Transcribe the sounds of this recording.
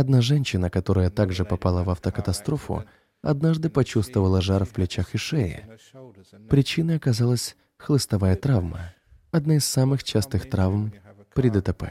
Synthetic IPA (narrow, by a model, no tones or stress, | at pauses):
ɐd̪naʐɛnʲɕːɪnəkɐt̪o̞ɾəjət̪aɡʐɨpɐpalˠəvɐft̪əkət̪ɐst̪ɾo̞fʊ̰ | ɐ̰d̪naʐd̪ɨpɐt͡ɕust̪vəvəlˠəʐarfplʲɪt͡ɕaxɨʂɛjɪ̰ | pɾʲɪt͡ɕinəjɐkɐzalˠəsʲ | xlˠɨst̪ɐvajət̪ɾavmə̰ | ɐd̪najɪsːamɨxt͡ɕast̪ɨxt̪ɾavmpɾʲɪd̪ət̪ɐpɛ̰